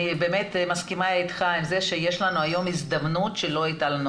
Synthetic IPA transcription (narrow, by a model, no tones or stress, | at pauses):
ibemet̪maskimait̪χaimzeʃejeʃlanuajo̞mizd̪amnutʃelo̞it̪alanu